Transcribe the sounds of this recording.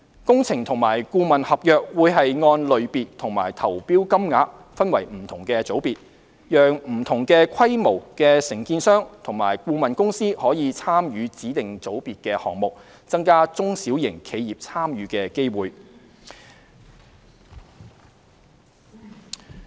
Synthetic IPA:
kʊ˥ŋt͡sʰɪ˨˩ŋt̪ʰʊ˨˩ŋmaː˨˩jkuː˧mɐ˨nhɐ˨p̚jœː˨k̚wuː˨˧jɦɐ˨jŋɔː˧nlɵ˨˧ɥpiː˨t̚t̪ʰʊ˨˩ŋma̰ː˨˩jt̪ʰɐ˨˩wpiː˥wkɐ˥mŋaː˨˧˥p̚ | fɐ˥nwɐ˨˩jm̩˨˩t̪ʰʊ˨˩ŋkɛː˧t͡so˨˥wpiː˨t̚ | jœː˨ŋm̩˨˩t̪ʰʊ˨˩ŋkɛː˧kʷʰɐ˥jmo˨˩wkɛː˧sɪ˨˩ŋkiː˧nsœː˥ŋt̪ʰʊ˨˩ŋmaː˨˩jkuː˧mɐ˨nkʊ˥ŋsiː˥hɔː˨˥jiː˨˧t͡sʰaː˥mjyː˨˧t͡siː˨˥t̪ɪ˨ŋt͡so˨˥wpiː˨t̚kɛː˧hɔː˨ŋmʊ˨k̚ | t͡sɐ˥ŋkaː˥t͡sʊ˥ŋsiː˨˥wjɪ˨˩ŋkʰe˨˧jiː˨p̚t͡sʰaː˥mjyː˨˥kɛː˧ke˥jwuː˨j

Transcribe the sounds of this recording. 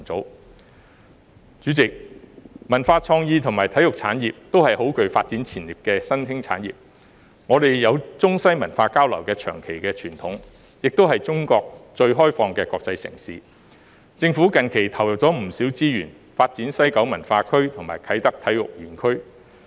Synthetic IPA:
t͡so˨˥w | t͡ʃyː˨˥t͡sɪ˨k̚mɐ˨˩nfaː˧t͡sʰɔː˧ŋjiː˧t̪ʰʊ˨˩ŋmaː˨˩jt̪ʰɐ˨˥jʊ˨k̚t͡sʰa̰ː˨˥njiː˨p̚t̪o˥whɐ˨jho˨˥wkɵ˨˧ɥfaː˧t̚t͡siː˨˥nt͡sʰiː˨˩nliː˨˩p̚kɛː˧sɐ˥nt̪ʰɪ˥ŋt͡sʰa̰ː˨˥njḭː˨p̚ | ŋɔː˨˧d̪e˨jjɐ˨˧wt͡sʊ˥ŋsɐ˥jmɐ˨˩nfaː˧kaː˥wlɐ̰˨˩wkɛː˧t͡ʃʰœ̰ː˨˩ŋkʰe˨˩jkɛː˧t͡ʃʰyː˨˩nt̪ʰʊ˨˥ŋ | jɪ˨k̚t̪o˥whɐ˨jt͡sʊ˥ŋkɔː˧k̚t͡ʃɵ˧ɥɦɔː˥jfɔː˧ŋkɛː˧kɔː˧k̚t͡sɐ˧jsɪ̰˨˩ŋsiː˨˧ | t͡sɪ˧ŋfuː˨˥kɐ˨nkʰe˨˩jt̪ʰɐ˨˩wjɐ˨˩p̚t͡sɔː˨˥m̩˨˩siː˨˥wt͡siː˥jyː˨˩n | faː˧t̚t͡siː˨˥nsɐ˥jkɐ˨˥wmɐ˨˩nfaː˧kʰɵ˥ɥt̪ʰʊ˨˩ŋmaː˨˩jkʰɐ˨˥jt̪ɐ˥k̚t̪ʰɐ˨˥jjʊ̰˨k̚ɥyː˨˩nkʰɵ˥ɥ

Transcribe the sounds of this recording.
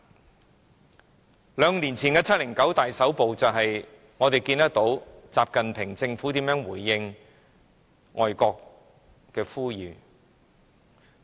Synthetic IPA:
lœː˨˧ŋliː˨˩nt͡sʰiː˨˩nkɛː˧t͡sʰɐ˥t̚lɪ˨˩ŋkɐ˨˥wt̪aː˨jsɐ˨˥wpo˨wt͡sɐ˨wɦɐ˨j | ŋɔː˨˧t̪e˨jkiː˧nɐ˥k̚t̪o˨˥wt͡saː˨p̚kɐ˨npʰɪ˨˩ŋt͡sɪ˧ŋfuː˨˥t̪iː˨˥mjœː˨˥ŋwuː˨˩jːɪ˧ŋ | ŋɔː˨jkɔː˧kː | ɛː˧fuː˥jyː˨˧

